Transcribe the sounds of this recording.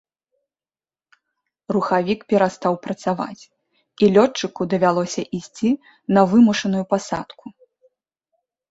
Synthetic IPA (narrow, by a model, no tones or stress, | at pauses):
ruxavʲikpʲɛɾast̪awpɾɐt̪sava̰t͡sʲ | ilʲɔt͡ʂːɨkud̪ɐvʲalˠɔsʲɐʔisʲt͡sʲi | nɐvɨmuʂɐnujupasat̪kʰu